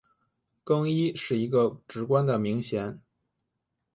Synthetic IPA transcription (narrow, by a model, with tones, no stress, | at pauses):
kɤ˥ŋi˥ʂɻ̩˥˩i˧˥ɡə˧ʈ͡ʂɻ̩˧˥kwa˥nd̪ə˨mi˧˥ŋɕjɛ˧˥n